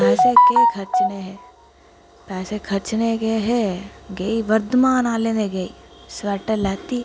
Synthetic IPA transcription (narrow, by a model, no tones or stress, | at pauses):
pɛːsekekʰɐɾt͡ʃneɦɛ | pɛːsekʰɐɾt͡ʃnekeɦeɡeiʋɐɾd̪ʱəmaːnaːleːneɡeisʋɛːʈəlɛːt̪i